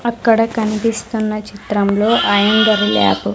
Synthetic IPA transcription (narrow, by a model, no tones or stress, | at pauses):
ɐkːɐɽɐkɐnipist̪unːɐt͡ʃit̪ɾɐmlo̞ːʔɐːjɐnd̪ɐɾila̰ːpu